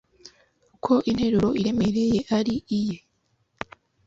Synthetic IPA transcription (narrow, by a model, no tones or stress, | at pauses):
kʰo̞ʔinhe̞ɾuɾo̞iɾe̞me̞ɾe̞je̞ʔaɾiʔije